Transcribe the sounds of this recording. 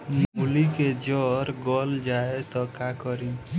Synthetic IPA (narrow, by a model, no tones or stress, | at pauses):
muliked͡ʒɔɾɡɔld͡ʒaet̪ɔkakɔɾi